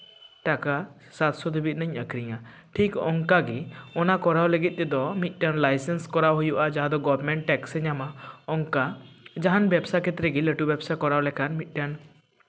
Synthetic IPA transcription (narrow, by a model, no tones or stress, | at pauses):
ʈaka | sat̪sɔd̪ubit̪̚ˀnəɲəkɾiɲa | ʈʰikɔŋkaɡiɔnakɔɾawləɡit̪̚ˀt̪ɛd̪ɔmit̪̚ˀʈanlajsɛnskɔɾawɦujuʔad͡ʒaɦad̪ɔɡɔbɾmɛɳʈːɛksɛɲamaɔŋkad͡ʒaɦanbɛbsakʰɛt̪ɾɛɡiləʈubɛbsakɔɾawlɛkʰanmit̪̚ˀʈan